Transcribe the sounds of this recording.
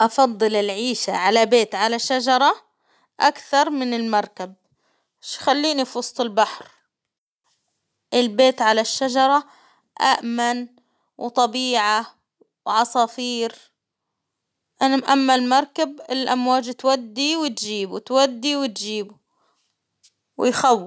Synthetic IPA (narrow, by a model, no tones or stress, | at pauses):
ʔɑfɑd̪ˤːɨlɪlʕiːʃa̰ʕalabeːt̪ʕalaʃːad͡ʒɑɾˤɑ | ʔakθɑɾˤmɪnɪlmɑɾˤkab̚ | ʃxalːiːnifwɑsˤt̪ˤɪlbaħɾ | ʔɪlbeːt̪ʕalaʃːad͡ʒɑɾˤɑ | ʔa̰ʔman | wt̪ˤɑbiːʕa | wʕɑsˤɑfiːɾ | ʔaʔamːalmɑɾˤkabɪlʔa̰mwaːd͡ʒt̪wad̪ːiwɪt̪d͡ʒiːbut̪wad̪ːiwɪt̪d͡ʒiːbʊ | wɪjxawː